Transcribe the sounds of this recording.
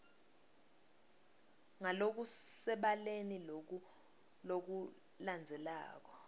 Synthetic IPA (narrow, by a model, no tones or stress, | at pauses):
ŋalok̬usɛɓalenil | lok̬u | land͡zʱɛla̰ːk̬ɔ̥